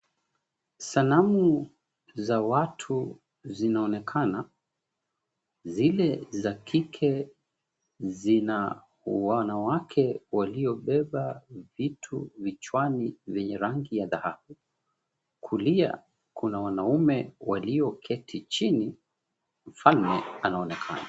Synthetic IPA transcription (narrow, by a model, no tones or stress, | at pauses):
sanamu | zawatʰu | zinaɔnɛkʰana | zilɛzakʰikʰɛ | zina | wanawakʰɛwaliɔɓɛɓavitʰuvit͡ʃwanivɛɲɛɾaŋɡijaðahahu | kʰulia̰ | kunawanaumɛwaliɔkʰɛtʰit͡ʃini | m̩falmɛanaɔnɛkʰa̰na